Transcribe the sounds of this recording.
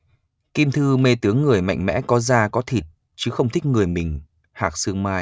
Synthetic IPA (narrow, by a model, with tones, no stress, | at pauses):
ki˧mt̪ʰɨ˧me˧t̪ɨ˨˦əŋːɨ˨˩əjma̰˧˨jŋ̟mɛ̰˧˥kɔ˨˦zaː˧kɔ˨˦t̪ʰi˨˩t̚ | t͡ɕɨ˨˦xə˧wŋ͡mt̪ʰï˦˥k̟̚ŋɨ˨˩əjmï˨˩ŋ̟ | haː˨˩k̚sɨ˧əŋmaː˧j